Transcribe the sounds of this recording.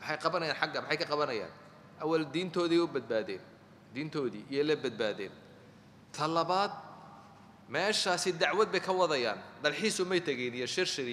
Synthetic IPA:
mħɑjqɑβɐnɐjaːnħɑɡɐmɪħɑjkʰɐqɑβɐnɐja̰ːn | ʔɐwɐld̪iːnt̪ʰɔːðiʊbɐd̪̚baːðɛ̰ːn | d̪iːnt̪ʰɔːðiːʔijɔlɐbɐd̪̚baːðɛ̰ːn | t̪ʰɐlɐβaːd̪̚ | mɛːʃaːsɪd̪ɑʕwɐd̪̚bɛjkʰɐwɑðɐja̰ːnd̪ɐlħiːsʊmɛjt̪ʰɐɣɛjnijɔʃɪrʃɪɾ

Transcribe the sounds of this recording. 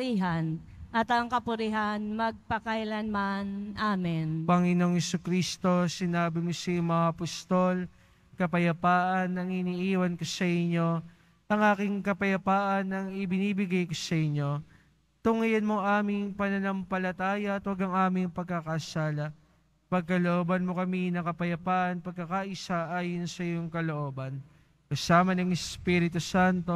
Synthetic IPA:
iɦan | ʔɐt̪ɐŋkɐpʊɾɪɦanmɐɡ̚pɐkɐɪlanmanʔaːmɪnpɐŋɪno̞ŋhɛsukɾist̪o̞sɪnaːbɪmosɐjmɐŋaʔɐpɐst̪o̞l | kɐpɐjɐpaːʔɐnːɐŋɪniːʔiːwɐnkosɐʔɪɲːo̞ | ʔɐŋʔaːkɪŋkɐpɐjɐpaːʔɐnɐŋɪbɪniːbɪɡajkosɐʔɪɲːo̞ | t̪ʊŋɐjɐnmoŋʔaːmɪŋpɐnɐnɐmpɐlɐt̪aːjɐʔɐt̪wɐɡɐŋʔaːmɪŋpɐɡ̚kɐkɐʔsaːlɐ | pɐɡ̚kɐloʔoːbɐnmo̞kɐminɐkɐpɐjɐpaːʔɐnpɐɡ̚kːɐkaʔɪsaʔaːjonsɐjoŋkɐlo̞ʔo̞ːbɐn | kɐsaːmɐnɐŋɛspiɾɪt̪usant̪o̞

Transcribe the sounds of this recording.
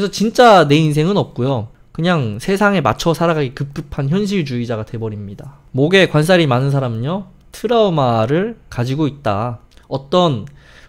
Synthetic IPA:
kesʰʌt͡ɕint͡ɕ͈ane̞ins̬ʰe̞ŋɯnʌp̚k͈ujo | kɯɲaŋsʰe̞sʰaŋe̞ma̰t͡ɕʰʌsʰaɾaɡaɡekɯp̚k͈ɯpʰançjʌnɕ̬ʰiɭt͡ɕuid͡ʑaɡadwe̞bʌɾimɲidamoɡe̞kwans̬͈ʰaɾimanɯnsʰaɾamɯɲʌ | tʰɯɾaomaɾɯɭkad͡ʑiɡoit̚t͈a | ʌt͈ʌn

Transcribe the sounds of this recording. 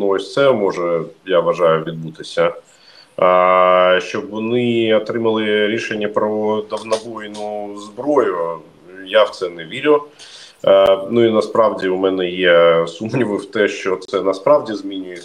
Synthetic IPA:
nuɔsʲt̪sɛmɔʒɛjaʋɐʒɑjʊʋʲid̪̚but̪ɪsʲɐ | ʃt͡ʃɔbʋɔnɪɐt̪ɾɪmɐlˠɪɾʲiʃenʲːɐpɾɔd̪ɐwnɐbɔjnʊzbɾɔjʊ | jawt̪sɛnɛʋʲiɾʲʊ | nuinɐspɾɑwdʲiwmɛnɛjɛsumnʲiʋɪw̥t̪ɛʃt͡ʃɔt̪sɛnɐspɾɑwdʲizmʲinʲʊjɪ

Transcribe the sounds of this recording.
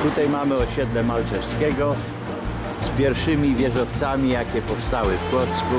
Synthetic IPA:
t̪ut̪ajmamɘɔɕɛd̪lɛmalt̪ɛɾskʲɛɡɔ | spʲjɛɾfʂɘmʲivʲjɛʐɔft̪samʲijakʲɛpɔfst̪awɘfkwɔt̪sku

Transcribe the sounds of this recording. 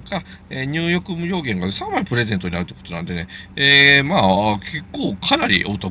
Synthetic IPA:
ka | eːɲ̟ʲɨːjo̞kɯ̟mɯ̟ɾʲjo̞ːɡẽ̞ŋɡanesamaɾʲipɯ̟ɾe̞ze̞nt̪o̞ɲinaɾɯ̟t̪ːekot̪o̞nã̰nd̪ene̞eːmaːkʰekːoːkʰanaɾʲḭʔot̪o

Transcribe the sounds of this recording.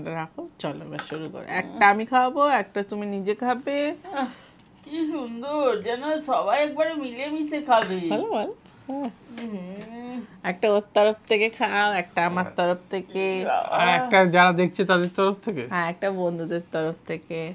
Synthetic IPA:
aɾakot͡ɕɔlo̰ba̰ʃuɾuko̰ɾḛɛk̚ʈaamikʰawoboɛk̚ʈat̪uminid͡ʑekʰabe | kiʃund̪oɾd͡ʑɛnoʃɔbajɛk̚baɾemilemisekʰabebʱɔlobaɾ | ɦɛ̃ | ɛk̚ʈaot̪ːaɾoft̪ʰekekʰaoɛk̚ʈaamaɾt̪ɔɾoft̪ʰekḛaɛkʈad͡ʑaɽad̪ekʰt͡ɕʰet̪ad̪eɾt̪ɔɾoft̪ʰekeɦɛ̃ɛk̚ʈabond̪ʱud̪eɾt̪ɔɾoft̪ʰeke

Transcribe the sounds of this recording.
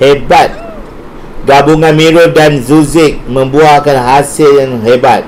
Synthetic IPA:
hebat̪̚ | ɡabuŋãnmĩɾʊdanzuzɪk̚mə̃mbuakanɦasɪljaŋɦebat̪̚

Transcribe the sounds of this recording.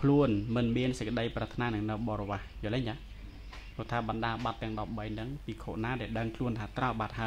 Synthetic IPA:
kʰluənmɨnmiənsəc̚kːə̆ɗəjprat̪ʰnaːnɨŋnɨwɓɑːrɔʋahjoːlɛɲt͡ɕaː | pʊ̆ət̪ʰaːɓɑnɗaːəɓat̪ːɛ̆əŋɗɑp̚ɓəjnɨŋpiːkʰo̰ːʔnaːɗaɛlɗəŋkʰluənt̪ʰaːt̪rawɓat̪̚ɦaə

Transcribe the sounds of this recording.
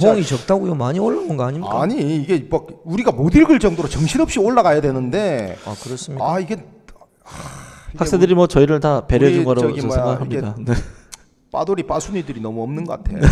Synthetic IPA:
ɦoŋit͡ɕʌk̚t͈aɡojomaɲioɭːaɡonɡaaɲimkaɲiːɡe̞mak̚uɾiɡamodiɭɡɯɭt͡ɕ͈ʌŋdoɾot͡ɕʌŋɕʰiɾʌp̚ɕ͈ioɭːaɣajadwe̞nɯnde̞akɯɾʌs͈ɯmiaiɡe | haks͈edɯɾimwʌt͡ɕʌiɾɯɭtape̞ɾjʌd͡ʑuŋɡʌɾosʰeŋɡaɦamɲidane̞ | p͈a̰doɾip͈asʰuɲidɯɾinʌmuʌmnɯnɡʌk͈atʰḛo

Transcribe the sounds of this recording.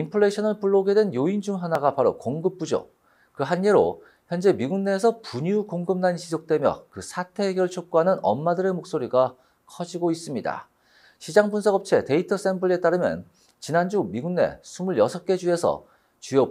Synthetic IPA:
impʰɯɭːe̞ɕʰʌnɯɭpuɭːoɡe̞dwe̞njoind͡ʑuŋɦanaɡapaɾokoŋɡɯp͈ud͡ʑo̰ | kɯɦanːe̞ɾo̰ | çjʌnd͡ʑe̞miɡunːe̞ːs̬ʰʌpuɲiukoŋɡɯmnanɕʰisʰok̚t͈we̞mjʌ̰kɯsʰatʰe̞ːɡjʌɭt͡ɕʰok͈oɦanɯnʔʌ̰mːadɯɾe̞mok̚s͈oɾiɡa | kʰʌd͡ʑiɡois͈ɯmɲida̰ | ɕʰid͡ʑaŋbunsʰʌɡʌp̚t͡ɕʰe̞te̞itʰʌs͈e̞mbɯɭe̞t͈aɾɯmjʌ̰n | t͡ɕinand͡ʑumiɡunːe̞̰sʰumɯɭjʌsʰʌk͈e̞d͡ʑue̞sʰʌ̰ | t͡ɕujʌ

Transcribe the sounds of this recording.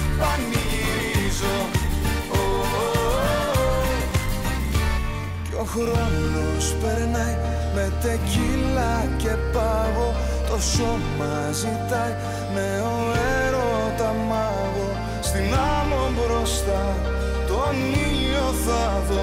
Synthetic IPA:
ɐni | zo̞ | o | ceo̞xɾo̞no̞spe̞ɾnɐj | me̞t̪e̞cilɐce̞pɐɣo̞ | t̪o̞so̞ | mɐ | zit̪ɐj | me | o | eɾo̞ | t̪ɐmɐ | ɣo̞ | st̪inɐmobɾo̞st̪ɐ | t̪oaniʎ | oθɐ | ðo

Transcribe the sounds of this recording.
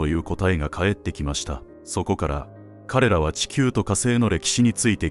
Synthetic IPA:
ojɯ̟ːko̞t̪aeɡakʰae̞t̪ːe̞kʲimaɕi̥t̪a | so̞ko̞kaɾa̰ | kʰaɾe̞ɾaβ̞at͡ɕi̥kʲɨːt̪o̞kase̞ːno̞ɾe̞kʲi̥ɕiɲ̟it͡sɨit̪e̞

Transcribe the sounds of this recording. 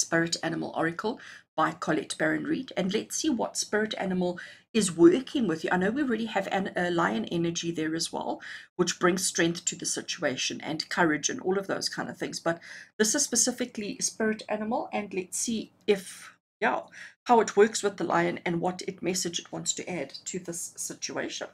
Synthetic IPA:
spɪɹɨɾæñəməlˠʔɔ̰ɹɨkʰəl̩ˠb̥aɪkʰɔlɛ̰tb̥ɛɹɨ̃nɹiɾɨ̃nlɛtsiwʌ̰tspɪɹɨɾæ̰nəməl̩ˠ | ɨzwɜˑ˞kʰɪ̃ŋwɨðjɨʔa̰ɪnoʊwiɹɛliɨvæ̰nɨlaɪɨ̃nʔɛ̰nə˞d͡ʒiðə˞ɨzwɛ̰lˠwɨt͡ʃb̥ɹɪ̃ŋz̥stɹ̥ɛ̃ŋkθtʰɨðɨsɪt͡ʃueɪʃɨ̃nɨ̰̃nkʰʌɹɨd͡ʒɨ̰̃nʔɔ̰lˠʌvðo̰ʊz̥kʰãɪ̃ndʌv̥θɪ̃ŋzb̥ʌt̪̚ðɪsɨz̥spəsɪfɨklispɪɹɨɾæ̰nəməl̩ˠɨ̃nlɛtsi | ɪf | jahaʊɨt̚ʰwɜˑ˞kswəðəlʔa̰ɪɨ̃nɨ̃nwʌɾɨt̚mɛsɨd͡ʒɨt̚wɑ̃ntstʰɨʔæd̥̚tʰɨðɪsːɪt͡ʃuḛɪʃə̰̃n

